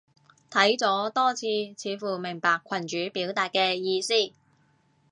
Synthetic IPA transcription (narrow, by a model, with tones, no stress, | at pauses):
t̪ʰɐ˨˥jt͡sɔː˨˥t̪ɔː˥t͡sʰiː˧t͡sʰiː˨˥fuː˨˩mɪ˨˩ŋpaː˨kʷʰːɐ˨˩nt͡ʃyː˨˥piː˨˥wt̪aː˨t̚kɛː˧jiː˧siː˥˩